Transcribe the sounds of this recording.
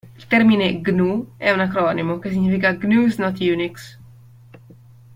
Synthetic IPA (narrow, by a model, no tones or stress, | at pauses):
ilt̪ɛɾmineɡnuɛunakɾɔnimokes̬iɲːifikaɡnuiznɔt̪juniks